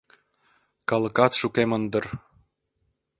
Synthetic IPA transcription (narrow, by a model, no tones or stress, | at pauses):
kɑlə̆kɑt̪ʃukemənd̪ə̆r